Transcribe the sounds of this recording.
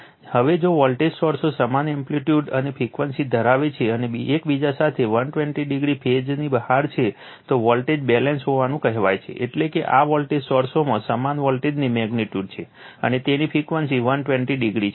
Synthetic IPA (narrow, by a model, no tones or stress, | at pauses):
həʋed͡ʒoʋɔlʈed͡ʒsɔɾsosəmanɛmpliʈjuɖənepʰikʋənsid̪ʱəɾaʋet͡ʃʰeənebiekbid͡ʒasat̪ʰeʋənʈʋɛ̃ɳʈiɖiɡɾipʰed͡ʒnibəhaɾt͡ʃʰe | t̪oʋɔlʈed͡ʒbɛlɛnsɦoʋanũkəɦeʋajt͡ʃʰḛʔeʈlekeʔaʋɔlʈed͡ʒsɔɾsomãsəmanʋɔlʈed͡ʒnimɛɡniʈjuɖt͡ʃʰe | ə̰net̪enipʰikʋənsiʋənʈʋɛ̃ɳʈiɖiɡɾit͡ʃʰe